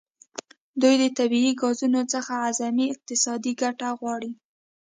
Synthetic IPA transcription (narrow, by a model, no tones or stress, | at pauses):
d̪ujd̪ət̪abiiɡɑzunot͡səxaazamiɪq̚t̪ɪsɑd̪iɡaʈaɣwɑɽi